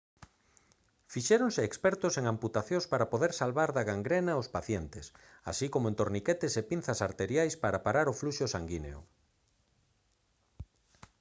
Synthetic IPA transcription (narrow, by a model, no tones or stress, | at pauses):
fiʃeɾoŋseːkspɛɾt̪ʊseŋamput̪aθjõspaɾapoðeɾsalβaɾðaɣaŋɡɾenaospaθjɛnt̪esa̰sikomoent̪oɾniket̪esepin̟θɐsaɾt̪eɾjajspaɾapaɾaɾʊfluʃosaŋɡineo̰